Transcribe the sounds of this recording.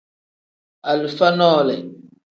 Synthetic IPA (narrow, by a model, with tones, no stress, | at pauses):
a˨lu˨fa˦nɔː˦˨lɛ˨